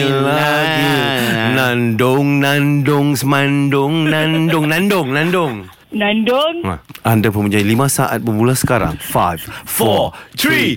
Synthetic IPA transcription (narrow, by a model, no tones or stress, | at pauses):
əla | ɡinãndʊŋnandʊŋsəmandʊŋnandʊŋnãndʊŋnãndʊŋ | nandʊŋa̰ʔandapəmuɲd͡ʒailimãsaʔa̰t̪̚bəbulasə̥kaɾa̰ŋfajvfɔt̪ɾi